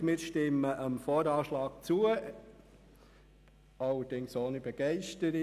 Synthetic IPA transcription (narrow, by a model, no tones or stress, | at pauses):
mɪːɾʃtɪmːəʔəmfoːɾɑːʃlɑːɡ̚t͡suə | ɑlːəd̥ɪŋsoːnibɛɡ̥ɛɪʃtəɾi